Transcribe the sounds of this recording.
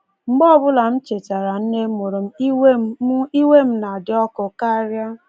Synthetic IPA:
ŋ͡m̩˨ɡ͡bɔ˦bʊ˦la˨m̩˦t͡ʃe˨t͡ʃa˨ɾa˨n̩˦ne˦mo˨ɾo˨m̩˦i˦i˦we˦m̩˦na˨dɪ˨ɔ˦kʊ˨ka˦ɾja˦

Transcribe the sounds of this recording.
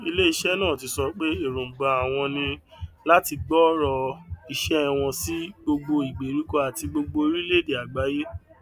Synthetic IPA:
i˧le˦i˧ʃɛ˦nãː˦˨ti˧sɔ˧˦k͡pe˦e˦˨ɾũ˨ɡ͡ba˨a˨w̃ɔ̃˧nĩ˧ | la˦ti˧ɡ͡bɔ˦ɾɔ˧i˨ʃɛ˦˧w̃ɔ̃˧si˦ɡ͡bo˧ɡ͡bo˧i˨ɡ͡be˨ɾi˨˦kɔ˦a˨ti˧ɡ͡bo˧ɡ͡bo˧i˧˦ɾi˦le˦de˨a˨ɡ͡ba˨˦je˦

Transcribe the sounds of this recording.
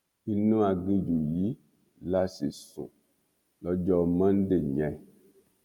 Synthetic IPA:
i˧nũ˦a˧ɡ͡bĩ˧d͡ʒu˨ji˨˦ | la˦sḭ˨sṵ̃˨ | lɔ˦d͡ʒɔ˦mã˦n̩˦de˦˨ɲɛ̃˨

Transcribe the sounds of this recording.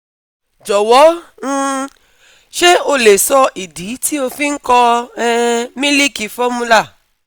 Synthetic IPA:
d͡ʒɔ˨wɔ̃˨˦ | ʃe˦o˧le˨sɔ˧ʔi˨di˨˦ti˦o˧fi˦ŋ̩˦kɔ˧ɛ˧mĩ˦li˦ki˨fɔ˦mũ˧la˦˨

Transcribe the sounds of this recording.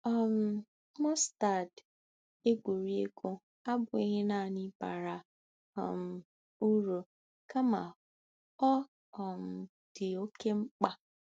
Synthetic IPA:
ɔ˨m̩˦ | mɔ˦sta˨d | e˦ɡʷu˨ɾi˦e˦ko˦ | a˦bʊ˨i˦ɦe˦na˨nɪ˦ba̰˨ɾa˨ | ɔ̰˨m̩˨ | u˦ɾo˨ | ka˦ma̰˨ | ɔ˦ | ɔ˨m̩˨ | d̥ɪ˨o˦ke˦ŋ͡m̩˦k͡pa˦

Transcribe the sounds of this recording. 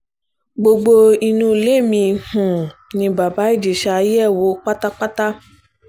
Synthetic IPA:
ɡ͡bo˧ɡ͡bo˧i˧nũ˧˦˨le˨˦˨mĩ˧hũ˨nĩ˧ba˨ba˨˦i˦˨d͡ʒi˨ʃa˧ji˦ɛ˦˨wo˨˦k͡pa˦ta˦k͡pa˦ta˦

